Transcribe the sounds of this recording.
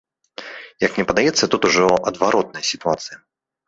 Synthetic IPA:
jɐknʲɛpɐd̪ajɛt̪sːɐt̪ut̪uʐɔɐd̪vaɾʔɔt̪̚nɐjəsʲit̪uat̪sɨjɐ

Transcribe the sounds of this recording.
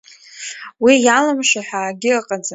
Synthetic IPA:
wijalamʃaħᶣaːɡʲɪqʼad͡za

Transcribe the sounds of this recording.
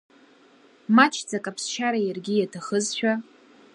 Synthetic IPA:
mat͡ʃʰd͡zakʼapʰst͡ʃʰaɾajarɡʲijatʰaχəzʃᶣa

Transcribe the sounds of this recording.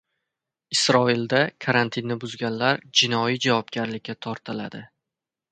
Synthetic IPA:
ɪsɾɒild̪akʰaɾant̪ʰɪnːɪbʊzɡʲanlaɾd͡ʒɪnɒid͡ʒavɒp̚ɡʲaɾlɪkʲʰːat̪ʰɒɾt̪ʰɪla̰d̪ɪ

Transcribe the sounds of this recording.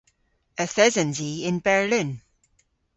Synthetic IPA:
əθɛzə̃nziɪ̃nbɛɹlɪ̃n

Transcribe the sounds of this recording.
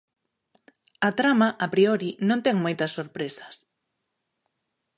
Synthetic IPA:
ɐt̪ɾamɐʔapɾioɾinõnt̪ɛŋmojt̪ɐsːoɾpɾesɐ̥s

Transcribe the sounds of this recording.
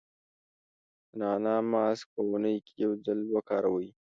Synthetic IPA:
naːnaːmaːsk̚ɐwʊnəjkʲjɐwd͡ʒɐlbɐkaːɾɐwəj

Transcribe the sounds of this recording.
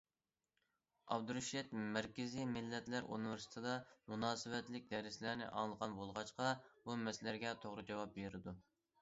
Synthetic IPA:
ɑ̰bd̪uɾuʃɛt̪mæɾkʲɪzimɪlːɛt̪læɾṵnɨvɪɾsɪ̥t̪ʰɨd̪ɑmunɑːsɨwɛt̪lɪk̚ʲd̪ɛɾɪslæɾnɪ̰ʔɑ̰ŋlˠəʁɑnbolˠʁɑt͡ʃqɑbumɛslæɾɡʲɛt̪ʰoʁɾɨd͡ʒɑwɑp̚beɾɪd̪u

